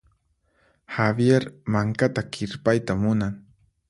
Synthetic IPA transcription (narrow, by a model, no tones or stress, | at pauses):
habjeɾmaŋkat̪akʰɪɾpajt̪amʊnaŋ